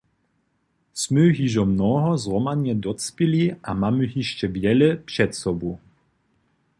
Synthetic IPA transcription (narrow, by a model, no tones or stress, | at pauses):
smøɦiʒɔmnɔɦɔzʁɔmanɛd̪ɔt͡spiliamamyɦiʃt͡ʃɛvjɛlɛpʂɛt̪sɔbu